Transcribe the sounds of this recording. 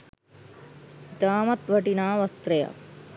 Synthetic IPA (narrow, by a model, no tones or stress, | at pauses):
t̪aːmɐt̪ʋʱɐʈinaːʋɐst̪ɾɐjɐ̰